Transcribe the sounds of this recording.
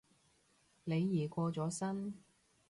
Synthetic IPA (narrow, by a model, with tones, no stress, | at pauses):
ne˨˧jːiː˨˩kʷɔː˧t͡sɔː˨˥sɐ˥n